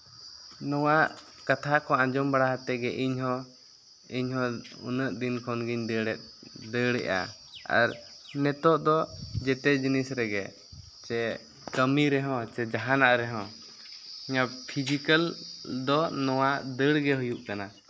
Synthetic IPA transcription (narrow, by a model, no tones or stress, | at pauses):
nɔwaʔ | kat̪ʰakɔãd͡ʒɔmbaɽaɦat̪ɛɡɛʔiɲɦɔ̃ | iɲɦɔ̃ṵnəʔd̪inkʰɔnɡiɲd̪əɽɛt̪̚d̪əɽɛ̰ʔa̰ | a̰ɾnɛt̪ɔʔd̪ɔd͡ʒɛt̪ɛd͡ʒinisɾɛɡɛ | t͡ʃɛ | kəmiɾɛɦɔ̃t͡ʃɛd͡ʒaɦanaʔɾɛɦɔ̃ | iɲapʰid͡ʒikəld̪ɔnɔwaʔd̪əɽɡɛɦujuʔkana